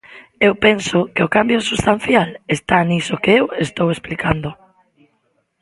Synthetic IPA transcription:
ewpensʊkeokambjosust̪an̟θjalest̪anisokeewest̪owesplikand̪ʊ

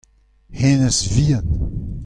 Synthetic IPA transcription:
henəsviən

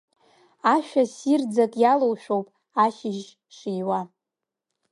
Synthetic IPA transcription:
aʃᶣasird͡zakʼjalowʃᶣowpʼ | aʃɪʒ | ʂijwa

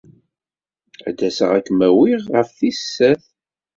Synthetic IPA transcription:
æ̰d̪æsəʁækːmæwiʁʁəfθisːæθ

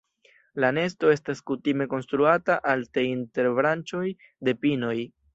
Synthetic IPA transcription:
lane̞sto̞e̞staskutime̞ko̞nstɾuataʔalteinte̞ɾbɾant͡ʃo̞j | de̞pino̞j

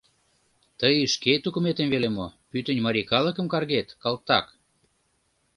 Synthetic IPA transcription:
t̪əjiʃket̪ukumet̪emvelemopyt̪ə̆nʲmɑɾʲikɑlə̆kə̆mkɑrɣet̪kɑlt̪ːɑk

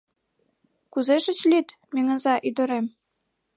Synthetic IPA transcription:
kuzeʃɘ̆t͡ɕlʲit̪ | mʲeŋə̆nzɑʔyd̪ɤ̆ɾem

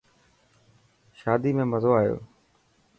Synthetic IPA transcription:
ʃaːd̪iːmẽːməzoːaːjo̰ː

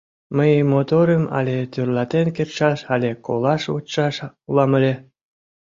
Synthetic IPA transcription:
məjmot̪oɾəmɑ̰lʲet̪ørlɑt̪enkerʃɑʃɑlʲeko̰lɑʃo̰tʃɑʃulɑmə̆lʲe

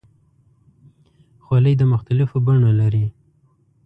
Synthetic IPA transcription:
xwaləjd̪əmʊxt̪alɪfobaɳolaɾi

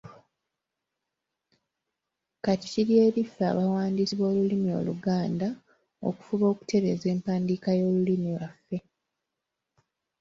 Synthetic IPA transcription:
kati̥ciɾje̞ːɾifːa̰βawaːndisiβo̞ːlulimio̞̰luɡaːnda | o̰ku̥fuβo̞ːku̥te̞ɾe̞ze̞ːmpaːndikajo̞ːlulimilwafːe̞

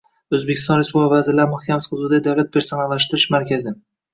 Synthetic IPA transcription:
ɵzbekʲʰɪst̪ɒnɾespubavazɪlaɾmʊhkʰʲamɪsqʰʊzud̪ad̪awlat̪̚pʰe̞ɾsonalːaʃt̪ɪɾɪʃmaɾkʲʰazɪ

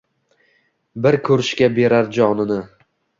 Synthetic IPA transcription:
bɪɾkʰɵɾɪʃkʲabe̞ɾaɾd͡ʒɒnɪnɪ

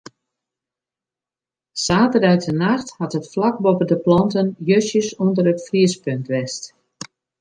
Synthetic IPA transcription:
saːtərœɥtənaxthatətflak̚bopədəplɑntənjøsjəsundərətfriəspøntʋɛst

